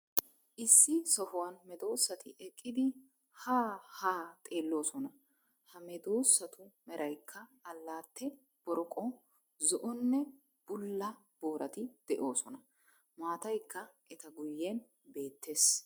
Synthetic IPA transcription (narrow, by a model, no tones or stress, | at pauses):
ʔɪsːɪsɔhʊwɐnmɛd̪o̞ːsːɐt̪ɪʔɛkʼːɪd̪ɪ | haːhaːt̪ʼe̞ːlːo̞ːsɔnɐ | hɐmɛd̪oːsːɐt̪ʊmɛɾʔɐjkʰːɐːlːaːt̪ːɛ | b̥ɔɾɔkʼɔ | zɔʔɔnːɛ | b̥ʊlːɐ | b̥o̞ːɾʔɐt̪ɪd̪̥ɛʔo̞ːsɔnɐ | maːt̪ɐjkːɐʔɛt̪ɐɡʊjːen | be̞ːt̪ːe̞ːs